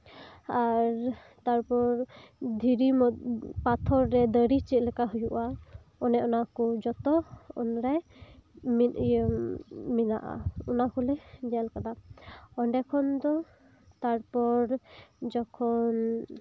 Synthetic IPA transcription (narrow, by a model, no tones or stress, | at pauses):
aɾ | t̪aɾpɔɾd̪ʱiɾimɔt̪̚pat̪ʰɔɾːɛd̪əɾit͡ʃit̪̚lɛkaɦujuʔa | ɔnɛʔɔnakɔd͡ʒɔt̪ɔɔ̰nɾaj | m | mina̰ʔa̰ɔnakɔlɛd͡ʒɛalkad̪aɔɳɖɛkʰɔnd̪ɔ | t̪aɾpɔɾd͡ʒɔkʰɔn